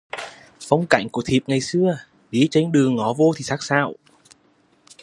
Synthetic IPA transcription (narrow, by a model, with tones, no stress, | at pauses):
fɔ˧wŋ͡mka̰˧˩jŋ̟ku˧˩ət̪ʰi˨˩p̚ŋa˨˩jsɨ˧ə | ɓi˨˦t͡ɕe˧ŋ̟ɗɨ˨˩əŋːɔ˨˦vo˧t̪ʰi˨˩sa˦˥k̚saː˧˩w